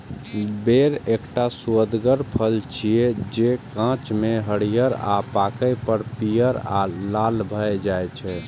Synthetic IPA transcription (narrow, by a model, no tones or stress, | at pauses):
beɾekʈasuəd̪ɡəɾpʰəlt͡ʃʰied͡ʒekãt͡ʃmeɦəɽijəɾa̰pakəjpəɾpijəɾa̰lalbʱəjd͡ʒajt͡ʃʰɛ